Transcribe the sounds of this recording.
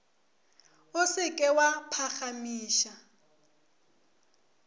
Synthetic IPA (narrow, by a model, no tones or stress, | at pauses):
ʊsɪkʼɛwapʰaχamiːʃa